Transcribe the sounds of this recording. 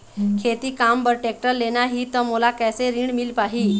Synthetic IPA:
kʰet̪iːkambəɾʈek̚ʈəlːenaɦiːt̪əmulakɛjseɾiːɳmilpaɦi

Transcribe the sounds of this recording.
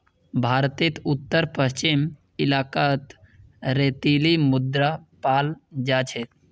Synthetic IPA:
bʱaːɾt̪ɪt̪ʊt̪ːəɾpəʃt͡ʃɪm | ɪlaːkaːt̪ | ɾeːt̪iːlimʊd̪ɾapaːld͡ʒaːt͡ʃʰe

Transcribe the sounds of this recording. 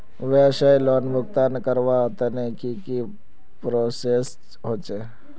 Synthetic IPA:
ʋeʃajloːnmʊk̚t̪ankəɾʋat̪ənekiki | pɾoːses | ɦoːt͡ʃe

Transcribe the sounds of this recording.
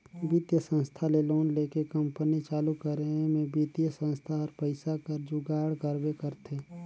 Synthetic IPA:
bit̪jəsə̃nst̪ʰaleloːnleːkekə̃mpənit͡ʃaːlukəɾemẽbit̪jəsə̃nst̪ʰaɔːɾpəɪsakəɾd͡ʒʊɡaːɽɡəɾbekəɾt̪ʰeː

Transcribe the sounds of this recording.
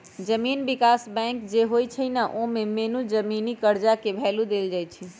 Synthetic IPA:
d͡ʒəminbikasbɛ̃ŋkd͡ʒeɦojt͡ʃʰənəʔomemenud͡ʒəminikəɾd͡ʒakebʱɛlud̪eld͡ʒajt͡ʃʰi

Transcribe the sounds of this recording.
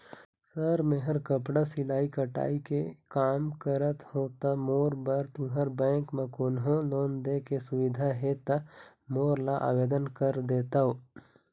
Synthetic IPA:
səɾmeɦəɾkəpɽasɪlaːikəʈa̰ːikekaːmkəɾət̪hoːt̪amoːɾbəɾt̪ũɦəɾbɛ̃ːŋkmẽkoːnɦõloːnd̪ekesʊʋɪd̪ʱaɦet̪a | moːɾlaʔa̰ːʋeːd̪ənkəɾd̪eːt̪aɦoː

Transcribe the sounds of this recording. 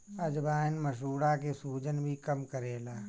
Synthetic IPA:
ɐd͡ʒbaːnməʃ̬uːɽakesuːd͡ʒənbʱikəmkəɾeːlaː

